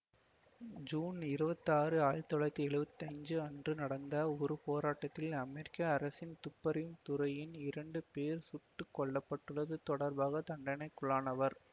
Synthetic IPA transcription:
d͡ʒuːnɪɾɯbɐt̪ːaːrɯaːɻt̪ɔɭɐt̪ːiɛɭɯʋɯt̪ːɐɪɲd͡ʒɯɐndrɯnɐɽɐnd̪ɐɔɾɯpoːɾaːʈːɐt̪ːɪlɐmɛɾɪkːɐɐɾɐsɪnt̪ʊpːɐɾɪjɯmt̪ʊɾɐjɪnɪɾɐɳɖɯpeːɾsʊʈːɯkːɔɭːɐpːɐʈːɯɭːɐðɯt̪ɔɽɐɾbaːɣɐt̪ɐɳɖɐnɐɪkːʊɭaːnɐʋɐɾ

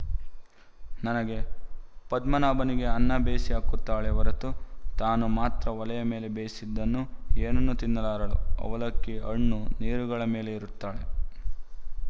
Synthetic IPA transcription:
nɐnɐɡe̞pɐd̪mɐnaːbɐniɡe̞ɐnːɐbeːsiaːkut̪ːaːɭeʋɐɾɐt̪ut̪aːnumaːt̪ɾɐʋɐlɐjɐme̞ːle̞beːsid̪ːɐnːueːnɐnːut̪inːɐlaːɾɐlṵɐ̰ʋɐlɐkːiʔɐɳːuniːɾuɡɐɭɐme̞ːle̞iɾut̪ːaːɭe

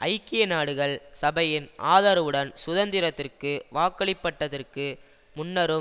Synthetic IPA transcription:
ʔɐɪkːɪjɐnaːɽɯɣɐɭsɐbɐjɪnʔa̰ːðaːɾɐʋɯɽɐnsʊðɐnd̪ɪɾɐt̪ːɪrkɯʋaːkːɐɭɪpːɐʈːɐðɐrkɯ | mʊnːɐɾɯ

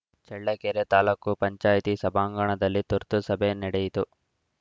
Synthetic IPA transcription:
t͡ʃɛɭːɐkeɾet̪aːlɐkːupɐɲt͡ʃaːjt̪isɐbʱaːŋɡɐɳɐd̪ɐlːit̪uɾt̪usɐbʱenɛɽejit̪u

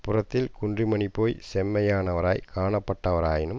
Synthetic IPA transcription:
pʊɾɐt̪ːɪlkʊɳdrimɐɳipːoːjsɛmːɐjaːnɐʋɐɾa̰ːjkaːɳɐpːɐʈːɐʋɐɾaːjɪnɯm

